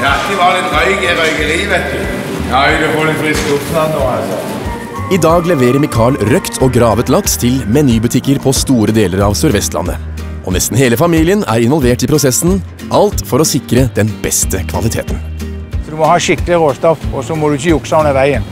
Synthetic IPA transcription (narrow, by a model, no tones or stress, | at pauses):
æk̪əʋɑdɛt̪œʏɡɛɾœʏɡəliːʋɛt̪ʉ | næɪd̪ɛfɔɖɛnflɛskəut̪nɑnoːɑlsɔ | ɪd̪ɑːɡlɛʋeːɾəɾmɪkʰɑːɭɾœkt̪ʰɔɡɾɑːʋət̪lɑkst̪ʰɪlmɛnyːbʉt̪ʰɪkːəɾpʰɔst̪uːɾəd̪eːləɾɑʋsœɾʋɛst̪lɑ̰nːə̰ | ʔɔnɛst̪n̩heːləfɑmiːlɪənæ̰ːɾɪnʋɔlʋeːʈɪpʰɾʊsɛsn̩ | ʔɑlt̪fɔɾɔsɪkɾəd̪ɛnbɛst̪əkʰʋɑ̰lɪt̪ʰḛːt̪nɔd̪ʉmɔhɑːʃɪkːəlɪʁoːst̪ɔfɔsɔmɔd̪ʉɪçəʊksɑʊnəʋæɪən